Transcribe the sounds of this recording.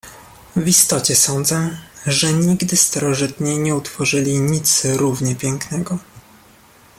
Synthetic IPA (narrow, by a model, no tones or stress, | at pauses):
vist̪ɔt͡ɕɛsɔnd̪zɛʐɛɲiɡd̪ɘst̪aɾɔʐɘt̪ɲiɲɛut̪fɔʐɘlʲiɲit̪sɾuvɲɛpʲjɛŋknɛɡɔ